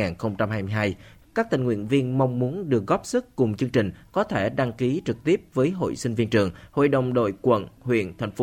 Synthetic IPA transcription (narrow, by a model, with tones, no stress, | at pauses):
aː˨˩nxə˧wŋ͡mt͡ɕa˧mhaː˧jmɨ˧jɦaː˧jkaː˦˥k̚t̪ï˨˩ŋ̟ŋwḭ˧˨ənvi˧ənma˧wŋ͡mːu˨˦ənɗɨ˨˩ək̚ɣɔ˦˥p̚sɨ˦˥k̚kʊ˨˩ŋ͡mt͡ɕɨ˧əŋt͡ɕï˨˩ŋ̟kɔ˨˦t̪ʰe˧˩ɗa˧ŋki˨˦t͡ɕɨ˨˩k̚t̪i˦˥əp̚vəː˨˦jɦo̰˧˨jsï˧ŋ̟vi˧ənt͡ɕɨ˨˩əŋho̰˧˨jɗə˨˩wŋ͡mɗo̰˧˨jkwə̰˧˨nhwḭ˧˨ənt̪ʰa˨˩jŋ̟f